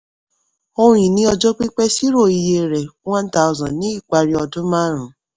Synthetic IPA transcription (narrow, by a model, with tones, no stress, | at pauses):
o˧ɾ̃ĩ˨nĩ˨˦ɔ˧d͡ʒɔ˦k͡pi˦k͡pɛ˦si˦ɾo˦˨i˨je˧ɾɛ˨wã˦nta˦u˨zã˨nĩ˦i˦˨k͡pa˧ɾi˦ɔ˧dũ˦mã˦ɾ̃ũ˨˦